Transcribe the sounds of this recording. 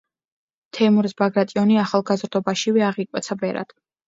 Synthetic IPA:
t̪ʰɛmuɾisbaɡɾat̪ʼiɔniaχalˠɡazɾd̪ɔbaʃivɛaʁikʼwɛt̪sʰabɛɾa̰d̪̥

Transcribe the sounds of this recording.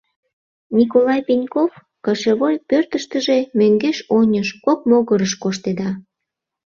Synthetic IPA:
nʲikolɑjpenʲkof | kɑʃeβolʲpørt̪əʃt̪əʒemøŋɡeʃonʲəʃkok̚moɣəɾəʃkoʃt̪ed̪ɑ

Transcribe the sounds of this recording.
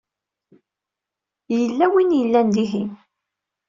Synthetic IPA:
jəlːæwinjəlːænd̪iɦin

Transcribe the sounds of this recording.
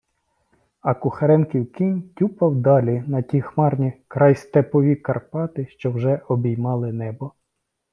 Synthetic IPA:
ɐkʊxɐɾɛnkiwkʲinʲtʲupɐwd̪ɑlʲinɐtʲixmɑrnʲikɾɑjst̪epɔʋʲikɐrpɑt̪ɪʃt͡ʃɔwʒɛʔɔbʲijmɑlˠɪnɛbɔ

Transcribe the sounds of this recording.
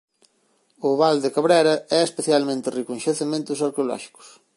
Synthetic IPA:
ʊβald̪ekaβɾɛɾɐɛespeθjalmẽnt̪ɪrikũnʲʃeθemẽnt̪ʊsɐɾkeolɔ̰ʃi̥kʊ̥s

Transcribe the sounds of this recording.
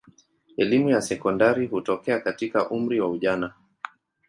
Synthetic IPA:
ɛlimujasɛkɔndaɾihutɔkɛakatikaʔum̩ɾiwauʄana

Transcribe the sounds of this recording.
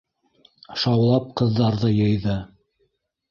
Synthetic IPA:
ʃɑwlˠɑp̚qɤ̆ðːɑɾðɤjɤ̆jðɤ

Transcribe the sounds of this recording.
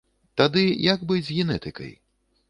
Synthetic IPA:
t̪ad̪ɨjɐɡbɨd͡zʲɣʲɛnɛt̪ɨkɐ̰j

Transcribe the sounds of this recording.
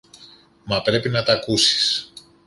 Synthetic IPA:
mɐpɾe̞pinɐt̪ɐkusi̥s

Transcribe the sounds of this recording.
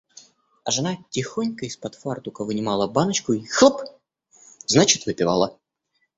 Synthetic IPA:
ɐ̰ʐɨnatʲɪxonʲkəispɐt̪fart̪ʊkəvɨnʲɪmalˠəbanət͡ɕkʊixlˠəp | znat͡ɕɪt̪vɨpʲɪva̰lˠə

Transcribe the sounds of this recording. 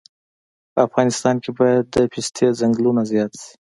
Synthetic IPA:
pəafɣɑnɪst̪ɑnkebɑjad̪ːəpɪst̪ʰezaŋɡlunazjɑt̪si̥

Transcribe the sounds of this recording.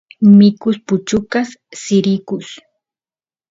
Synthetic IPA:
mɪkʊspʊt͡ʃʊkasːɪɾɪkʊs

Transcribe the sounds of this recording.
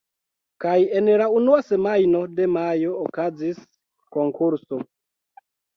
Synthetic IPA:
kaje̞nlaunuase̞majno̞de̞majo̞ːkazis | ko̞ŋkuɾso̞

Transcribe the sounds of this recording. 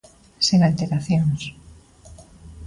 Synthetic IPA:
siŋalt̪eɾaθjoŋs

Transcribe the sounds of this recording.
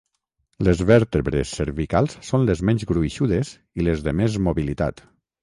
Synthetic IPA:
lezβɛɾt̪eβɾḛsːeɾβikalˠsːonlezmɛɲzɣɾuiʃuðez | ilezðemezmoβilit̪a̰t̪

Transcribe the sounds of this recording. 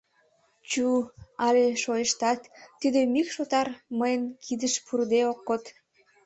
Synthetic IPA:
t͡ɕuɑleʃojəʃt̪ɑt̪ːid̪ømikʃot̪ɑrməjənkʰid̪əʃpʰurd̪eokːot̪

